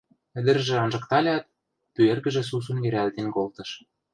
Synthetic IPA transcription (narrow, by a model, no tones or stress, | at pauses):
ɘ̆d̪ɘ̆rʒĕɑnʒɤ̆kt̪ɑlʲɑt̪̚ | pyerɣɘ̆ʒĕs̬us̬unɡeɾʲæld̪enkolt̪ɤ̆ʃ